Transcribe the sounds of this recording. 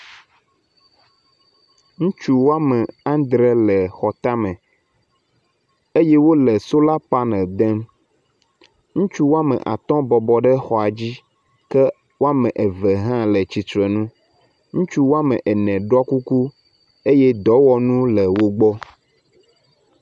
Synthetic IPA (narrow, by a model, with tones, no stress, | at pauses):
ŋũ˦t͡ʃu˦wo˦a˦mɛ̃˨ã˦nd̪ɾe˦lɛ˨xɔ˨t̪a˦mɛ̃˨ | e˦je˦wo˦lɛ˨so˦la˦pa˦nɛ̃˨d̪ɛ̃˦m | ŋũ˦t͡ʃu˦wo˦a˦mɛ̰̃˨ʔa̰˨t̪ɔ̃˦bɔ˨bɔ˨ɖɛ˦xɔ˨a˨d͡ʑi˦ | kɛ˦ | wo˦a˦mɛ̃˨ʔɛ˨vɛ˨ɦã˦lɛ˨t͡ɕi˨tɾɛ˨nũ˦ | ŋũ˦t͡ʃu˦wo˦a˦mɛ̃˨ʔɛ˨nɛ̃˨ɖɔ˦ku˦ku˦ | e˦jɛ˦d̪ɔ˨˦wɔ˦nũ˦lɛ˨wo˦ɡ͡bɔ˦